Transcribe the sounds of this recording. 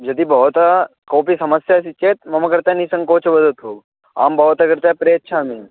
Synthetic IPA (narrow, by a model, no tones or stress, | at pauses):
d͡ʒɐd̪ibɐɦɔt̪akoːpisɐməsjasit͡ʃeːt̪mɐmɐkɐɾt̪anisɐ̃ŋkoːt͡ʃʰɐbɐd̪ət̪ɦoːɡ | a̰ːmbɐɦot̪akɐɾt̪apɾeːɐtːʃʰaːmi